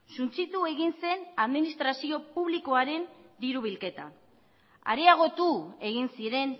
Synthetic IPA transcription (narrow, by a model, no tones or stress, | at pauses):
sunt͡sit̪ue̞ɣinse̞naðminist̪ɾasio̞puβliko̞aɾe̞nd̪iɾuβ̞ilke̞t̪a̰ | a̰ɾeaɣ̞o̞t̪ue̞ɣ̞insiɾe̞n